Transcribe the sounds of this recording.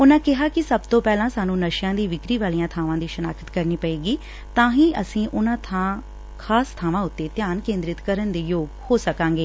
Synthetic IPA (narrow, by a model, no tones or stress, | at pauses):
ʊnãːkɪɦaːkɪsəbt̪õːpɛːlãːsaːnũːnəʃjãːd̪iːʋɪkɾiːʋaːlijãːt̪ʰaːʋãːd̪iːʃənaːkʰə̥t̪kəɾniːpəeːɡiː | t̪ãːɦĩːʔəsĩːʔʊnãːt̪ʰãː | kʰaːst̪ʰaːʋãːʊt̪ːeːt̪jaːnkẽːnd̪ɾɪt̪kəɾənd̪eːjoːɡhoːsəkãːŋɡeː